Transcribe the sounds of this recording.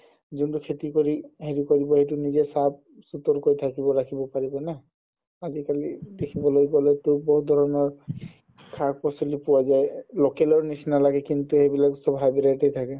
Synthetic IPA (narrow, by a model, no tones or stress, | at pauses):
zuntukʰetikoɹiɦeɹikoɹibɔɦejtunizɛsab̚ | sutɔɹkoɹitʰakibɔɹakʰibɔpaɹibɔna | azikalidekʰibɔlojɡɔletʊboɦudʱɔɹɔnɔɹ | kʰak̚pɔsɔlipuwazajlokɛlɔɹnisnalaɡɛkintuɦejbilaksɔbʱɦajbilatejt̪ʰakɛ